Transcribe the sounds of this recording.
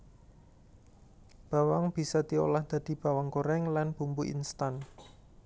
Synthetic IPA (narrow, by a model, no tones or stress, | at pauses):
b̥a̤waŋb̥i̤sɔd̪̥io̰lahd̪̥ä̤d̪̥i̤b̥a̤waŋkoɾɛŋlanb̥umbuʔḭnst̪an